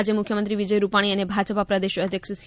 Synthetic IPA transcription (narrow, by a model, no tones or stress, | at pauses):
d͡ʒemʊkʰjəmənt̪̬ɾiʋid͡ʒəjɾupaɽ̃iənebʱad͡ʒəpapɾəd̪eʃəd̪ʱjəkʃəs